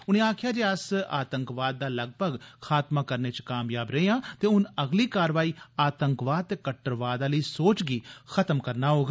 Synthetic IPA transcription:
ʊnẽːaːkʰjaːd͡ʒeːəsa̰ːt̪əŋkʋaːd̪̚ːaːləɡ̚bʱəɡkʰaːt̪maːkəɾneːt͡ʃkaːmjaːbɾəeãːt̪eːʊnəɡliːkaːɾʋaːiːaːt̪əŋkʋaːd̪̚t̪eːkəʈːəɾʋaːd̪aːləiːsoːt͡ʃɡiːxʰət̪əmkəɾnaːɦoːɡa

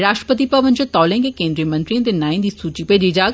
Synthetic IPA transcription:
ɾaːʃʈɾə̥pət̪ipɐʋə̃nt͡ʃut̪ɔːlẽŋkekẽːnd̪ɾijəmɐ̃nt̪ɾiə̃t̪enaːĩnd̪iːsuːt͡ʃipeːd͡ʒid͡ʒaː

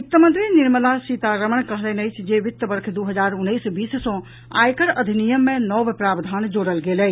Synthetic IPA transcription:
ut̪ːəmənt̪ɾiniɾməlasit̪aɾəmənkəɦlənəjt͡ʃʰd͡ʒeʋit̪ːəbəɾkʰd̪uɦəd͡ʒaɾunːəjsbissə̃ | a̰jkəɾəd̪ʱinijəmːenɔbpɾabd̪ʱand͡ʒoɽəlɡelɛ

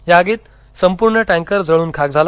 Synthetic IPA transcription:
jaːɡiːt̪ | səmpuɾɳəʈɛ̃ŋkəɾd͡zʱəɭuːnkʰak̚d͡zʱal

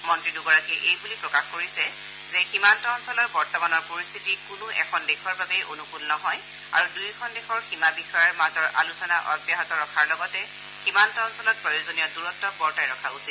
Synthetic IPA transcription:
mɔntɹiduɡɔɹakiʔejbulipɹɔkaxkoɹisɛ | zɛximantɔːnsɔlɔɹbɔɹtɔmanɔɹpoɹist̪ʰitikunʊɛ̰kʰɔndexʰɔɹbabɛjʔonukulnɔɦɔj | a̰ɹudukʰɔndexʰɔɹximabixɔjaɹmazɔɹʔa̰lusɔnaʔɔbjaɦɔtɔɹɔkʰaɹlɔɡɔtɛ | ximantɔɔnsɔlɔt̚pɹɔjozonijɔduɹɔtːɔbɔɹtajɹɔkʰausil

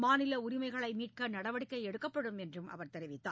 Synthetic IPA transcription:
maːnɪlɐʊɾɪmɐɪɣɐɭɐɪmiːʈ̚kɐnɐɽɐʋɐɽɪkːɐɪɛɽɯkːɐpːɐɽɯmɛndrɯmʔɐ̰ʋɐɾt̪ɛɾɪʋɪt̪ːaː

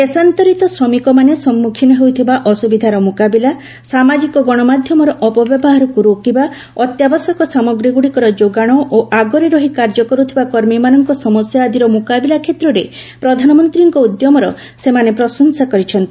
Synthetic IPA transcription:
esant̪ɔɾit̪ɔsɾɔmikɔmanesɔmːukʰinɔɦewt̪ʰibaʔɔsubid̪ʱaɾɔmukabila | samad͡ʒikɔɡɔɽ̃ɔmad̪ʱjɔmɔɾɔʔɔpɔbjɔbɔɦaɾɔkuɾokiba | ɔt̪jabɔsɔkɔsamɔɡɾiɡuɽikɔɾɔd͡ʒoɡaɽ̃ɔʔoʔaɡɔɾiɾɔɦikaɾd͡ʒɔkɔɾut̪ʰibakɔɾmimanɔŋkɔsɔmɔsjaːd̪iɾɔmukabilakʰet̪ɾɔɾe | pɾɔd̪ʱanɔmɔnt̪ɾiŋkɔud̪jɔmɔɾɔ | semanepɾɔsɔnsakɔɾit͡ʃʰɔnt̪i

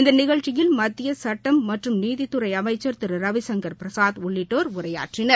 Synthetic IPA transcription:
ɪnd̪ɐnɪɣɐɻt͡ʃɪjɪlmɐt̪ːɪjɐsɐʈːɐmːɐʈrɯmniːðɪt̪ːɯɾɐɪɐmɐɪt͡ʃːɐɾt̪ɪɾɯɾɐʋɪsɐŋɡɐɾpɪɾɐsaːðʊɭːɪʈːoːɾʊɾɐja̰ːʈrɪnɐɾ

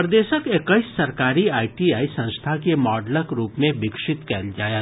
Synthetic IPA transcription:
pɾd̪eːʃəkekəɪsːɐɾkaːɾiaːɪʈiaːisə̃nst̪ʰakemɔːɖləkɾuːpmẽbɪkʃɪt̪kɛːld͡ʒaːjet̪

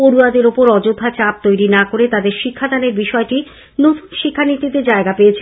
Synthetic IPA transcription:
oɾuad̪eɾopoɾɔd͡ʑod̪ʱːat͡ɕap̚t̪ojɾinakoɾet̪ad̪eɾʃikʰːad̪ʱaneɾbiʃɔeʈi | not̪ʃikʰːanit̪it̪ed͡ʑaeɡapeet͡ɕʰe

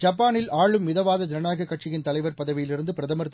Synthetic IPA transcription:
d͡ʒɐp̬ːaːnɪlaːɭɯmːɪðɐʋaːðɐd͡ʒɪɾɐnaːɣɐkːɐʈt͡ʃɪjɪnt̪ɐlɐɪʋɐɾpɐðɐʋɪjɪlɪɾɯnd̪ɯpɪɾɐðɐmɐɾt̪ː

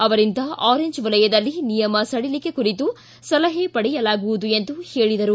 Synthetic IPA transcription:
ɐʋɐɾind̪ɐʔaːɾeɲd͡ʒʋɐlɐjɐd̪ɐlːinijɐmɐsɐɽilike̞kuɾit̪u | sɐlɐɦepɐɽɛjɐlaːɡuʋud̪ue̞nd̪uhe̞ːɭid̪ɐɾu

